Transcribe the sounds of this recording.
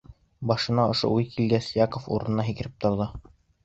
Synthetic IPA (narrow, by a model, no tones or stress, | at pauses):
bɑʃɤ̆nɑŏʃo̰ujkilɡæsjɑkofṵɾɤ̆nɤnɑɦikɘ̆ɾɘp̚t̪ŏɾðɤ